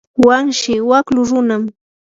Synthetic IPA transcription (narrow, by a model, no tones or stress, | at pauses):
waŋʃɪwaklʊɾʊnam